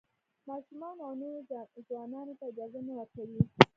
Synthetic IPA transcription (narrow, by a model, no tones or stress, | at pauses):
mɑʃumɑnaneɾzwɑnɑnet̪ad͡ʒazamaɾakawi